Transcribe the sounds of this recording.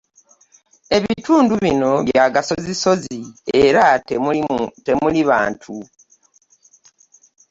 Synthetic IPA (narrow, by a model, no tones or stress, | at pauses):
e̞βituːnduβino̞βjaɡasoziso̞zie̞ɾa | temuliβa̰ːntʰu